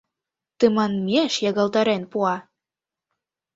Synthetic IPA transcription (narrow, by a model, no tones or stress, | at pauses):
t̪ɨmɑnmʲeʃjɑɣɑlˠt̪ɑɾenpuɑ